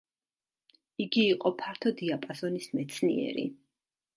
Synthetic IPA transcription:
iɡiːqʼɔpʰaɾt̪ʰɔd̪iapʼasɔnismɛt̪sʰnḭɛ̰ɾḭ

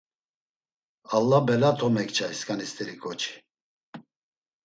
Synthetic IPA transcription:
alːabɛlat̪ʰɔmɛkt͡ʃʰaiskʼanist̪ʰʼɛɾikʰʼɔt͡ʃʰi̥

